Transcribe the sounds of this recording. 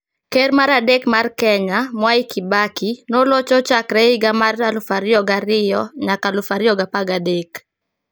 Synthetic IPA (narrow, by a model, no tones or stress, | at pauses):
keɾmaɾadekmarkɛɲamwaikʰibakinolot͡ʃɔt͡ʃakɾɛɪɡamaralʊfaɾɪjɔɡaɾɪjɔɲakalʊfaɾɪjɔɡapaɡadek